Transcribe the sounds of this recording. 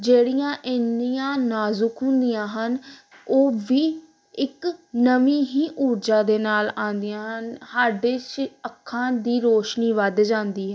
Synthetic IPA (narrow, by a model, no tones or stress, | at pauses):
d͡ʒeːɽijãːʔɪnːijãːnaːzʊkɦʊ̃nd̪ɪjãːɦən | oːʋiː | ɪknəʋiːɦiːʔuːɾd͡ʒãːd̪eːnaːlãːnd̪ɪjãːɦənhaːɖeːt͡ʃəkʰːãːd̪iːɾoːʃniːʋəd̪d͡ʒãːnd̪iːɦɛː